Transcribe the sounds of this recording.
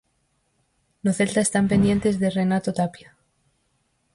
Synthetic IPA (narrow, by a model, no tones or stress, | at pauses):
noθe̞lt̪aest̪ampe̞nd̪je̞nt̪e̞zðere̞nat̪ot̪apja